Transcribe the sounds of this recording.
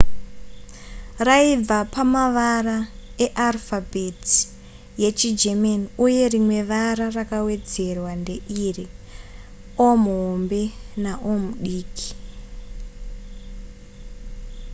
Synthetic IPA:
raib͡vapamaʋarae̞ʔarfabʱeti̥ | je̞t͡ʃid͡ʒemaniuje̞rimwe̞ʋaɾarakawe̞d͡ze̞rwande̞ʔiri | omuɦombe̞naʔomuɗiːki̥

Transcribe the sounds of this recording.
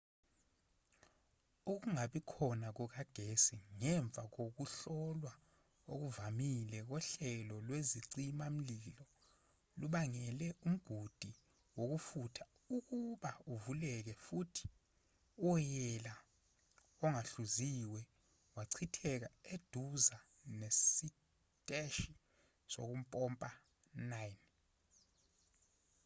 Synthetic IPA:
uk̬uŋaɓikʰɔnak̬ɔk̬aɡ̥ʱesiŋɛɱb̪vʱak̬ok̬uɬɔlwa | ok̬uvamilɛk̬ɔɬɛlɔlweziǀimam̩lilɔ | luɓaŋɛlɛum̩ɡ̥ʱud̥ʱi | wok̬ufutʰḁ | uk̬uɓauvulɛk̬ɛfutʰi̥ | ɔjɛla | ɔŋaɬuziwɛ | waǀʰitʰɛk̬aed̥ʱuza | nesi | tʼɛʃi | so̰k̬um̩pʼɔmpʼa | najn

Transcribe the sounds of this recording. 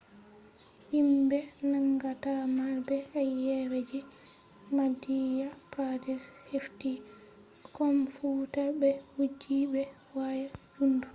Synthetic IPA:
himbɛnaŋɡatamabɛajɛwed͡ʒɛ | madijapɾadɛshefti | kɔmfutabɛhud͡ʒibɛ | wajad͡ʒundu

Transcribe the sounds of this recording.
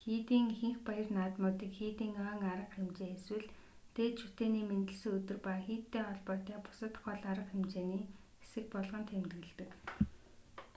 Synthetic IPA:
xiːt̪iːŋxiŋxpajə̆rnaːt̪mʊːt̪iːkxiːt̪iːŋœːŋaɾə̆qxemt͡ɕeːeswɘ̆ɮ | t̪eːt̪ʃʰut̪eːniːment̪ɘ̆ɮsɘ̆ɵt̪ɵ̆rpaːxiːt̪ːeːɔɮpɔːt̪æːpʊ̥sə̆t̪χɔɮaɾə̆qemt͡ɕeːniː | esɘ̆k̚pɔɮʁɞ̆nt̪ʰemt̪ɣɘ̆ɮt̪ɘ̆k

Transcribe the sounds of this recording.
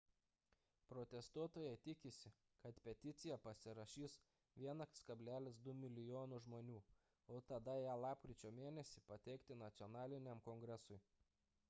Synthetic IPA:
pɾɔt̪ʲɛst̪uɔt̪oːjɛɪt̪ʲɪkʲɪsʲɪ | kɐt̪pʲɛt̪ʲɪt̪sʲɪjɛpɐsʲɪɾɐʃʲiːs | ʋʲiɛnɐkʲskɐbʲlʲæːlʲɪsd̪ʊmʲɪlʲɪjoːnʊʒmoːnʲuː | oːt̪ɐd̪ɐjæːlˠɑːpkɾʲɪt͡ʃʲoːmʲeːnʲɛsʲɪpɐt̪ʲɛɪkt̪ʲɪnɐt̪sʲɔnɑːlʲɪnʲɛmkɔŋɡɾʲɛsʊɪ

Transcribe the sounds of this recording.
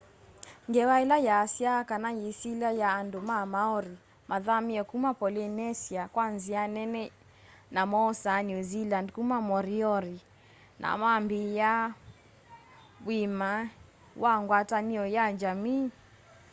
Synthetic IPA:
ŋɡɛwailajaːsiakanajisilajaːndomamaɔɾi | maðamiɔkumapɔlinɛsiakwanzianɛnɛ | namɔsanjuzilandkumamɔɾiɔɾi | nʔa̰mambija | wima | waŋɡwataniɔjad͡ʒami

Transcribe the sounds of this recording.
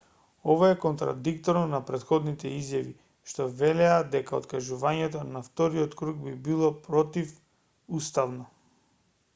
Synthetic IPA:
ɔvaɛkɔnt̪ɾa̰d̪ikt̪ɔɾnɔnapɾɛt̪xɔd̪nit̪ɛizjavi | ʃt̪ɔvɛlɛad̪ɛkao̰t̪kaʒuvaɲɛt̪ɔnaft̪ɔɾiɔt̪kɾuɡbibilˠɔpɾɔt̪if | ust̪avnɔ

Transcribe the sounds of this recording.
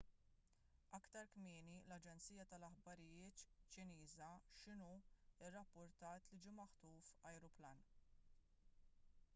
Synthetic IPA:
ɐkt̪ɐɾkmiːnilɐd͡ʒɛnt͡siːjɐt̪ɐlɐħbɐɾɪjɪːt̪t͡ʃːɪniːzɐʃɪnuɪrːɐpːʊɾt̪ɐːt̪lid͡ʒiːmɐħt̪uːfɐjɾʊplɐn

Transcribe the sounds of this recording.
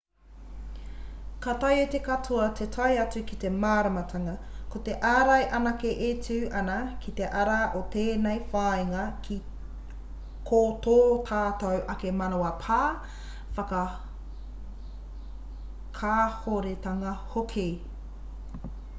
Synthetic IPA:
kɐtɐjet̪ekatʰuɐtʰetʰɐjɐt͡sʉkit̪emaːɾɐmɐtʰɐŋɐkot̪e̞ʔaːɾɐjʔɐnɐkeʔet͡sʉːʔɐnɐkit̪e̞ʔɐɾaʔot̪eːnejfaːiŋɐkʰi | kʰot̪oːtʰaːtɐwʔɐkemɐnoɐpʰaː | fɐkɐ | kʰaːhoɾetɐŋɐhokʰe

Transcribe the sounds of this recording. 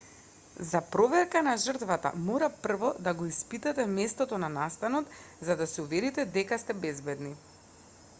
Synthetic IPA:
zapɾɔvɛɾkanaʒər̩t̪vat̪a̰mɔɾapr̩vɔd̪aɡɔispit̪ɛt̪ɛmɛst̪ɔt̪ɔnanast̪anɔt̪zad̪asɛuvɛɾit̪ɛd̪ɛkast̪ɛbɛzbɛd̪ni

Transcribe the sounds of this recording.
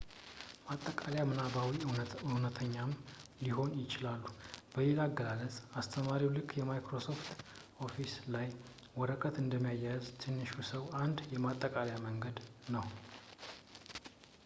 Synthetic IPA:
mat̪ʼːəkʼaljamɨnabawiɨwnət̪ʰəɲːamliɦo̞njɪt͡ʃɪlalːub̥əjelaɡːəlalət͡sʼast̪ʰəmaɾiwlɨkʰːjɛmajkɾo̞so̞ft̪ʔo̞fislaj | wɔɾəkʰət̪ɨnd̪əmːijajajzt̪ʰɨnːɨʃusəwand̪jɛmat̪ʼːəkʼaljaməŋɡəd̪nəw

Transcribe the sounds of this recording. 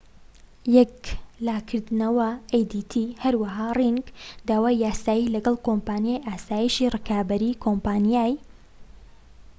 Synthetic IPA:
jɛklaːkʰɨɾd̪nɐwɐejd̪iːt̪ʰihɐɾwɐɦaːriŋɡd̪aːwaːjjaːsaːjilɐɡɐlˠkoːmpaːnjaːjʔaːsaːjiʃiːrɨkaːbɐɾiːkʰompaːnjaːj

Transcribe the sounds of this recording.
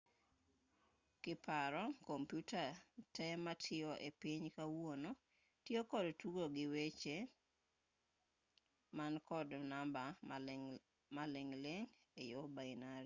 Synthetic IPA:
kɪpaɾɔkompjutatɛmatʰɪɔʔepiɲkawwono | tjokɔdtuɡoɡɪwet͡ʃe | mankɔdnamba | malɪŋlɪŋ | ejobainaɾi

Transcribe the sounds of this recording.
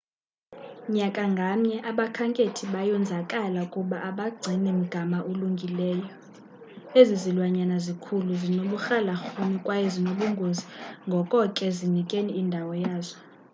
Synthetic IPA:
ɲakʼaŋɡʱamɲɛʔaɓakʰaŋkʼetʰiɓajɔnd͡zʱakʼalakʼuɓaʔaɓaɡ͡ǀʱinim̩ɡ̥ʱamaʔuluŋɡʱilɛːjɔ | ezizilwaɲanazikʰuluzinoɓuxalaxunikʼwajɔzinoɓuŋɡʱoziŋɡʱɔkʼɔkʼɛzinikʼeniːndʱawɔjaːzɔ

